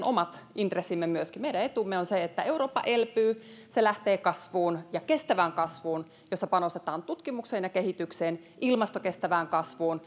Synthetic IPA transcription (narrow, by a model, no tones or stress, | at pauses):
nʔomɑt̪int̪resːimːemyøskimeiɾæet̪umːeonseet̪ːæeuɾoːpːɑ̰ʔelpyːselæht̪eːkɑsʋuːnjɑkest̪æʋæːŋkɑsʋuːn | josːɑpɑnost̪et̪ɑːnt̪ut̪kimukseːnjɑkehit̪ykseːn | ʔilmɑst̪okest̪æʋæːŋkɑsʋuːn